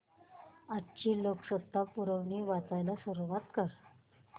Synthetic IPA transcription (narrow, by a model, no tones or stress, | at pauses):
at͡ɕiːloksət̪ːapuɾəʋɳiːʋat̪ajlasuɾuʋat̪kəɾ